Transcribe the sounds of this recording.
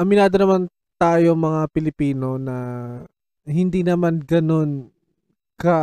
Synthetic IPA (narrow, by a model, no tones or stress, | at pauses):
ʔɐmɪnaːd̪onɐman | t̪aːjo̞mɐŋapɪlɪpiːno̞nɐ | ɦɪnd̪iːnɐmanɡɐno̞n | kɐ